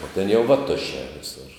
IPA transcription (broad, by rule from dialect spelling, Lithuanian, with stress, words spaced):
oː tʲɛn jɛʊ ʋɐˈtʊʃʲɛː ʋʲɪˈsʊr